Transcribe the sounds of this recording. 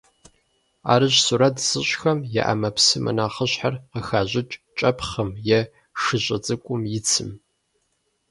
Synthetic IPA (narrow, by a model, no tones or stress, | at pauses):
a̰ːɾɨɕsuɾɐtʰz̥ɨɕʼxɐmjɛ̰ʔɐ̰mɐpsɨmʔɐ̰naːχəɕħarqəxaːʑɪt͡ʃʼt͡ʃʼɐpχɐmjɛ | ʂɨɕʼɐt͡sʼɨkʷʼʊmjɪt͡sʰɨm